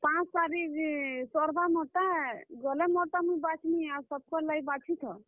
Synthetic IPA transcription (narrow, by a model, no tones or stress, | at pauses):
pãt͡ʃsaɾisɔɾbamɔʈaɡɔlemɔʈamuibat͡ʃʰiniasəb̚kɔlaibat͡ʃʰit̪ʰɔ